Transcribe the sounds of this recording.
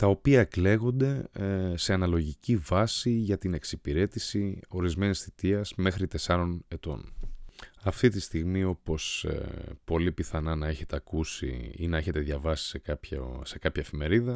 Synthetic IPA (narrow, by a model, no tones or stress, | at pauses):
t̪ɐo̞piɐekle̞ɣo̞nd̪e̞se̞ɐnɐlo̞ʝicivɐsiʝɐt̪ine̞ksipiɾe̞t̪isio̞ɾizme̞nisθit̪iɐz̥me̞xɾit̪e̞sɐɾo̞ne̞t̪o̞̰n | ɐft̪it̪ist̪iɣmio̞po̞spo̞lipiθɐnɐnɐe̞çe̞t̪eɐkusḭinɐe̞çe̞t̪eðʝɐvɐsi̥sekɐpçse̞kɐpçɐefime̞ɾiðɐ